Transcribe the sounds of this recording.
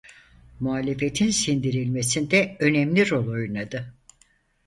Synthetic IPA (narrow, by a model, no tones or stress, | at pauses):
muɦaːlʲefe̞t̪ʰinsind̪iɾilʲmesind̪ɛø̞nɛmlʲiɾo̞lˠo̞junad̪ɯ